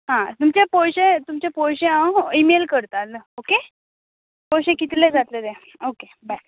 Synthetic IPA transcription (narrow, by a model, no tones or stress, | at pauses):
ɦãt̪umt͡ɕepowɕet̪umt͡ɕapowɕeaimelkəɾt̪aloke | powɕẽkit̪led͡zat̪let̪ẽ | oke | ba